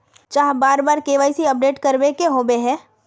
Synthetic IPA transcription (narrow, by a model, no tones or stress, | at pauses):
t͡ʃaːɦbaːɾbaːɾkeːʋaːisiɐp̚ɖeːʈkɐɾbekeɦoːbeɦɛ̃ː